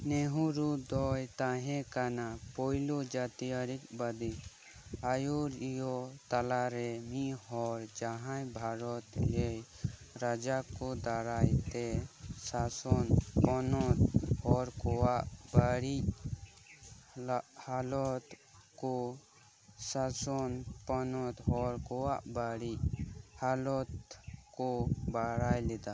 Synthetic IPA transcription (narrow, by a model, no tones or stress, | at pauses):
nɛɦuɾud̪ɔjt̪ãɦɛ̃kanapɔjlod͡ʒat̪ijaɾikbad̪i | ajoɾjɔt̪alaɾɛmiɦɔɾd͡ʒaɦãjbʱaɾɔt̪ɛ | ɾad͡ʒakɔd̪aɾajt̪ɛsasɔnpɔnɔt̪hɔɾkɔwaʔbaɽic | halɔt̪ | kɔ | sasɔnpɔnɔt̪ɦɔɾkɔwaʔbaɽichalɔt̪kɔbaɽajlɛd̪a